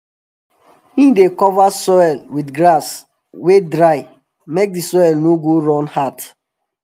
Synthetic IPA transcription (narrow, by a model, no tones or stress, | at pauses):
ĩdekɔvasɔɛlwidɡɹas | wedɹaɪ | mek̚disɔɛlnoɡoɹɔ̃nhat